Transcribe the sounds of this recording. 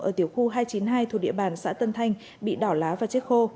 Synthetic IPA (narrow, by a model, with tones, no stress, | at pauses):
ʔəː˧˩t̪i˨˩əwxu˧ɦaː˧jt͡ɕi˨˦nɦaː˧jt̪ʰu˨˩ɗḭ˧˨əɓaː˧˩nsa̰ː˧˥t̪ə˧nt̪ʰa˧jŋ̟ | ɓḭ˧˨ɗɔ˧˩wlaː˨˦vaː˨˩t͡ɕe˦˥t̚xo˧